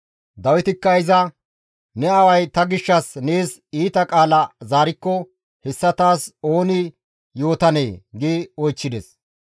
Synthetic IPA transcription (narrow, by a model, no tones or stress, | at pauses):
d̪ɐwɪt̪ɪkːɐɪzɐ | nɛɐwɐjt̪ɐɡɪʃːɐsne̞ːs | iːt̪ɐkʼaːlɐzaːɾɪkːɔ | hɛsːɐt̪aːso̞ːnɪ | jo̞ːt̪ɐne̞̰ːɡɪɔjt͡ʃːɪd̪ɛs